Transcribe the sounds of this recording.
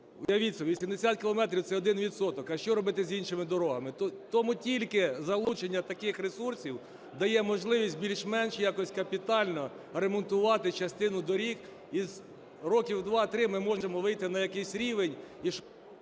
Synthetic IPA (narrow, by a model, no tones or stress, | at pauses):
ʊjɐʋʲisʲɐʋʲisʲimd̪esʲat̪̚kʲɪlˠɔmɛt̪ɾʲiwt̪sɛɔd̪ɪnʋʲid̪sɔt̪ɔkɐʃt͡ʃɔɾɔbɪt̪ɪzʲinʃɪmɪd̪ɔɾɔɦɐmɪt̪t̪ɔmutʲilʲkɪzɐlˠut͡ʃenʲːɐt̪ɐkɪxɾesursʲiw | d̪ɐjɛmɔʒlˠɪʋʲisʲt̚ʲbʲilʲʃmɛnʃjakɔsʲkɐpʲit̪ɑlʲnɔ | ɾemɔnt̪ʊʋɑt̪ɪt͡ʃɐst̪ɪnʊd̪ɔɾʲik | iz | ɾɔkʲiwd̪ʋɑt̪ɾɪmɪmɔʒemɔʋɪjt̪ɪnɐjɐkɛsʲɾʲiʋenʲiʃ